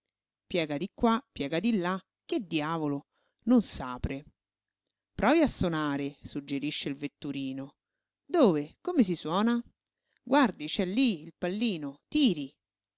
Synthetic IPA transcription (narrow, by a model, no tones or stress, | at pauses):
pjɛːɡad̪ikːwapːjɛːɡad̪ilːa | k̟ːed̪jaːvolo | nonsaːpɾe | pɾɔːviasːonaːɾesud͡ʒːeɾiʃːeilvet̪ːuɾiːno | d̪oːvekomes̬iswɔːna | ɡward̪it͡ʃɛlːiːlpalːiːnot̪iːɾi